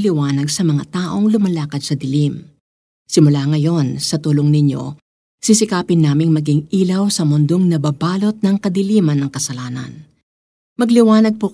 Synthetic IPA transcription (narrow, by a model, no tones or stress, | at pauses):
lɪwaːnɐɡsɐmɐŋat̪aːʔo̞ŋlʊmɐlaːkɐd̪̚sɐd̪ɪlim | sɪmʊlaŋɐjo̞nsɐt̪uːloŋnɪɲjo̞̰ | sɪsɪkaːpɪnːaːmɪŋmɐɡɪŋiːlɐwsɐmʊnd̪oŋnɐbɐbaːlo̞t̪̚nɐŋkɐd̪ɪliːmɐnːɐŋkɐsɐlaːnɐ̰n | mɐɡlɪwaːnɐɡ̚puk